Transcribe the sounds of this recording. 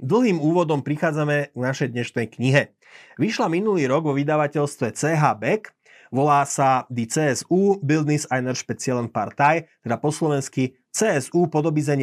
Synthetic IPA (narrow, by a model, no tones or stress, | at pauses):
d̪l̩ɦiːmuːʋɔd̪ɔmpɾixaːd͡zamɛɡnaʃɛjd̪ɲɛʃnɛjkɲiɦɛ | ʋiʃlaminuliːɾɔɡʋɔʋid̪aʋacɛlst̪ʋɛt͡sɛːɦaːbɛk | ʋɔlaːsad̪it͡sɛːɛsuːbild̪nisajnɛɾʃpɛt͡sɪalɛnpa̰ɾt̪ajt̪ɛd̪apɔslɔʋɛnski | t͡sɛːɛzuːpɔd̪ɔbizɛɲ